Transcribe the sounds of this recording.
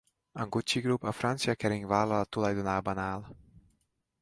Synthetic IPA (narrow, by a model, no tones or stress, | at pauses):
ɒŋkut͡ʃiɡɾupɒfrant̪sijɒkɛɾiŋɡvaːlɒlɒt̪ːulɒjd̪onaːbɒnaːl